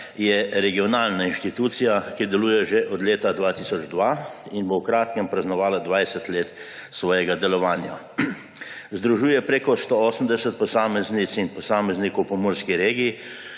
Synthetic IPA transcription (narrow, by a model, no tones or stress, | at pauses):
jɛɾɛɡiɔnaːlnainʃt̪it̪uːt̪sijakid̪ɛluːjɛʒeʔɔd̪leːt̪ad̪ʋaːt̪iːsɔd͡ʒd̪ʋaːinbowkɾaːt̪kɛmpɾɐznɔʋaːlad̪ʋajsɛt̪leːt̪sʋɔːjɛɡad̪ɛlɔʋaːnja | zd̪ɾuʒuːjɛpɾeːkɔst̪ooːsəmd̪ɛsɛt̪̚pɔsaːmɛznit̪sinpɔsaːmɛznikɔwpɔmɔːɾskiɾeːɡii